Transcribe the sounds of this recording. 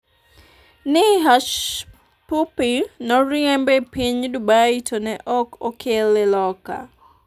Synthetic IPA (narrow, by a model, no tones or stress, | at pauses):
nɪɦaʃ | pupinɔɾiɛmbɛpiɲdubaitʰonɛʔɔkokʰelelɔka̰